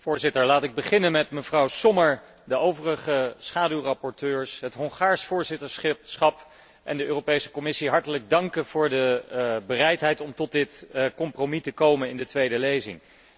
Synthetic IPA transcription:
fʊːɹzɪtəɹlaːtɪɡ̚bəχɪnənmɛtməvrɑwsɔməɹ | dəowvərəχəsχaːdywrɑpɔɹtøːɹsɦətɦɔŋχaːɹsfʊːɹzɪtəɹsχsχɑp | ʔɛndəʔøːropejsə̥kɔmɪsiɦɑɹtələɡ̚dɑŋkənv̥ʊːɹdəbərɛjtɦɛjtɔmtɔt̚dɪtkɔmpromitəkowmənɪndətʋejdəlejzɪ̰ŋ

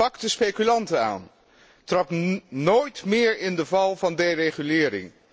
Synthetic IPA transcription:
ɑkdəspejkylɑntəa̰ːn | trɑpnoːjtmɪːɹɪndəvɑlˠvɑndejrejχylɪːɾɪ̰ŋ

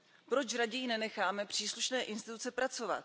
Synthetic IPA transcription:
pɾo̞t͡ʃɾaɟɛjinɛnɛxaːmɛpr̥iːsluʃnɛːʔɪnst̪ɪt̪ut͡sɛpɾat͡so̞va̰t̪̚

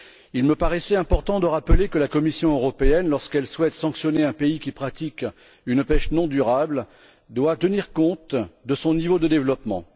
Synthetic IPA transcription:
ilməpaʁɛsɛɛ̃pɔʁt̪ɑ̃d̪əʁaplekəlakɔmisjɔ̃øʁɔpeɛnlɔʁskɛlswɛt̪sɑ̃ksjɔneɛ̃peikʲipχat̪ik | ynpɛʃnɔ̃d̪yʁabl | d̪wat̪əniʁkɔ̃t̪d̪əsɔ̃nivod̪əd̪evlɔpmɑ̰̃

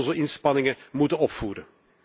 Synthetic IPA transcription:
zoɪnspɑnɪŋəmutənɔpfuːɾən

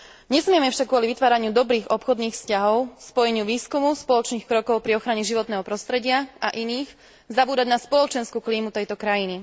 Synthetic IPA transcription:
ɲɛsmɪɛmɛfʃaɡːʊɔliʋit̪ʋaːɾaɲɪud̪ɔbɾiːɣɔpxɔd̪niːxfscaɦɔʊspɔjɛɲɪuʋiːskumuspɔlɔt͡ʃniːxkɾɔkɔʊpɾiɔxɾaɲɛʒiʋɔt̪nɛːɦɔpɾɔst̪ɾɛɟɪaʔaʔiniːx | zabuːd̪aɟnaspɔlɔt͡ʃɛnskuːkliːmut̪ɛjt̪ɔkɾajini

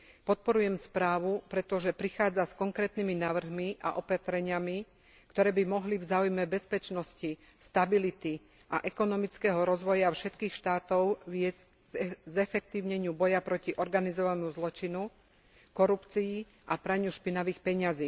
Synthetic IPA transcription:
pɔt̪̚pɔɾujɛmspɾaːʋupɾɛt̪ɔʒɛpɾixaːd͡zaskɔŋkɾɛːt̪niminaːʋr̩ɦmiʔa̰ʔɔpat̪ɾɛɲɪami | kt̪ɔɾɛːbimɔɦlivzaːujmɛbɛspɛt͡ʃnɔsci | st̪abilit̪i | ʔa̰ʔɛkɔnɔmit͡skɛɦɔɾɔzʋɔjafʃɛt̪kiːxʃt̪aːt̪ɔʊʋɪɛz | zzɛfɛk̚t̪iːʊɲɛɲɪubɔjapɾɔciʔɔɾɡanizɔʋanmuzlɔt͡ʃinu | kɔɾupt͡sii | ʔapɾaɲuʃpinaʋiːxpɛɲɪaziː

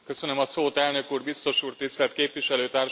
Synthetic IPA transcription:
kø̞sø̞nømɒsoːt̪ɛlnø̞kuːrbist̪o̞ʃuːrt̪ist̪ɛlt̪keːpʋiʃɛløːt̪aːr

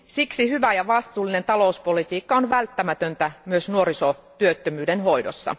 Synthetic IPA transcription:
siksihyʋæjɑʋɑst̪uːlːˑine̞nt̪ɑlouspolit̪iːkːɑonʋælt̪ːæmæt̪ønt̪æmyøsnuoɾisot̪yøt̪ːømyːdenɦo̞jdosːɑ̰

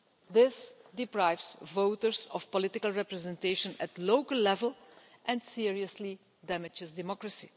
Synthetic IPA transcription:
ðɪsdɪpɹaɪvsvoʊtəɹzɔfpɔlɪtɪkəlˠɹɛpɹɛzɛ̃nteɪʃə̃nætloʊkəlˠlɛvəlˠ | ʔɛ̃nsɪɹiəsli | dæmɪd͡ʒɪzdɪmɔkɹəsi

